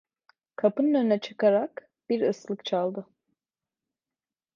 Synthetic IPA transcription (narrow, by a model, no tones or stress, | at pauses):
kʰapɯnnønnɛt͡ʃʰɯ̥kaɾak | b̥iɾɯslˠɯkt͡ʃʰalˠd̪ɯ